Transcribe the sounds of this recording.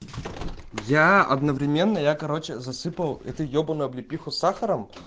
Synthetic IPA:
jaɐ̰d̪nəvɾʲɪmʲe̞nːəjakɐɾo̞t͡ɕɪzɐsɨpəlˠɛ̰t̪ʊjobənʊjɐblʲɪpʲixʊsaxəɾəm

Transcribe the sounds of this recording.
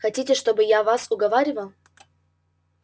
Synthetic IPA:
xɐtʲitʲɪʂt̪o̞bɨjavasʊɡɐvaɾʲɪvəlˠ

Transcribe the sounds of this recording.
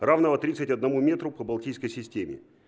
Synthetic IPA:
ravnəvət̪ɾʲit̪sɨtʲɐd̪nɐmumʲe̞t̪ɾʊpəbɐlˠtʲijskəjsʲɪsʲtʲemʲɪ̰

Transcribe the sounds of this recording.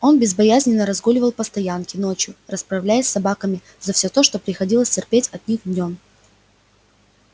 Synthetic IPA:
o̞nbʲɪzbɐjæzʲnʲɪnːəɾɐzɡolʲɪvəlˠpəst̪ɐjankʲɪno̞t͡ɕjʊrəspɾɐvlʲæjɪsʲsɐbakəmʲɪ | zɐfsʲo̞t̪o̞ʂt̪o̞pɾʲɪxɐdʲilˠəsʲtʲɪrpʲetʲɐt̪̚nʲixd̪ʲnʲo̞m

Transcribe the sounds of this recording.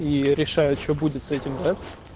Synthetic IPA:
iɾʲɪʂajʊt̪t͡ɕʲobudʲɪt̪sɛtʲɪmd̪a

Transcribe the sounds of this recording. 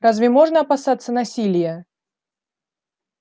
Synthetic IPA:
ɾazvʲɪmo̞ʐnəɐpɐsat̪sːənɐsʲilʲɪjə

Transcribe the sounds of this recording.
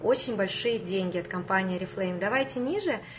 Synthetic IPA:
o̞t͡ɕɪnʲbɐlʲʂɨjədʲenʲɡʲɪɐt̪kɐmpanʲɪjiɾʲɪflˠejɪmd̪ɐvajtʲɪnʲiʐɨ

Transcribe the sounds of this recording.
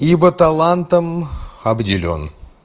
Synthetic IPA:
ibət̪alˠant̪əmhabd̪ʲilʲo̰n

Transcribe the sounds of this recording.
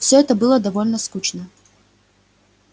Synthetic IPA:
fsʲoɛt̪əbɨlˠəd̪avolʲnəskut͡ɕnə

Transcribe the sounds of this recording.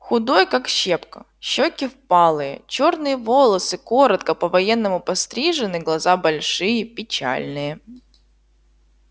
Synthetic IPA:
xʊd̪ojkakɕepkə̥ | ɕːokʲɪfpɑlˠɨjə̰t͡ɕornɨjəvo̞lˠəsɨkoɾət̪kəpəvɐjɛnːəmʊpɐst̪ɾʲiʐɨnɨɡlˠɐzabɐlʲʂɨjəpʲɪt͡ɕa̰lʲnɨjə

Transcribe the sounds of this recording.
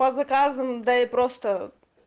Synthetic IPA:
ɐzɐkazɨmd̪ɐɪpɾost̪ə

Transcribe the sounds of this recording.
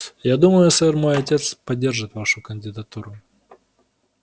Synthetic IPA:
jad̪uməjʊɛsɛrmo̞jɐtʲe̞t̪spɐdʲːe̞rʐɨt̪vaʂʊkənʲdʲɪd̪ɐt̪uɾʊ

